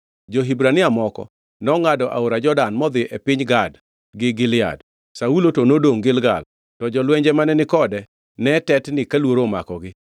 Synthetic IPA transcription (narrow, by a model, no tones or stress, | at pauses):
d͡ʒoɦibɾanɪamɔkɔ̰ | nɔŋadɔʔa̰oɾad͡ʒɔdanmɔd̪ɪʔɛpɪɲɡad | ɡɪɡɪlɪja̰d | saulotonodoŋɡɪlɡa̰l | tɔd͡ʒɔlwɛɲd͡ʒɛmanɛnɪkɔdɛ | nɛtɛtnɪkalwoɾoma̰kɔɡɪ